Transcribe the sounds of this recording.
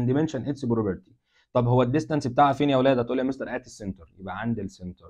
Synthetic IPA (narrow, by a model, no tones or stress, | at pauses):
nd̪imenʃænʔet̪sbɾobeɾt̪i̥ | t̪ˤɑbhowːæd̪ːest̪ænsbet̪aːʕʔæfiːniæwlæːd̪æt̪ʔuːlːæmest̪ɑɾˤʔæːt̪esːent̪ɑɾjebʔæʕand̪elsːent̪ɑɾ